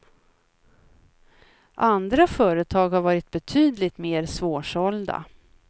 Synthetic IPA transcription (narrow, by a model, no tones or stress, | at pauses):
ʔand̪ɾafœːɾət̪ʰɑːɡhaɾvɑːɾɪt̪̚bɛt̪ʰyːd̪lɪt̪meːɾsvoːʂɔld̪a̰